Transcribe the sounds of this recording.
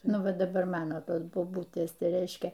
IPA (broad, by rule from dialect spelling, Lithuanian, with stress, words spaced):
ˈnʊ ˈʋɐ dɐˈbɐr ˈmɑːnoː ˈtoːs boːˈbʊtʲeːs ˈtɐɪ ˈrʲɛɪʃʲkʲɛ